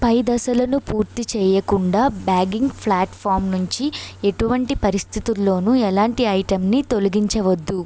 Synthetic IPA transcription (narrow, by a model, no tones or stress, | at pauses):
pɐjd̪ɐsɐlɐnupuːɾt̪it͡ʃɛːjɐkuɳɖaːbaːɡiŋɡpʰlaːʈpʰaːɾmnuɲt͡ʃie̞ʈuʋɐɳʈipɐɾist̪ʰit̪ulːo̞ːnuɛlaːɳʈiɐjʈɐmnit̪o̞luɡiɲt͡ʃɐʋɐd̪ːu